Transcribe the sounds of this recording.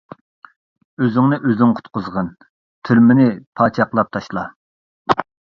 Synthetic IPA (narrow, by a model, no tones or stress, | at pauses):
øzɪŋnɪʔøznɪŋqʰʊ̥t̪qʊzʁən | t̪ʰyɾmɪnɪpʰɑːt͡ʃʰɑqlˠɑp̚t̪ʰɑʃlˠɑ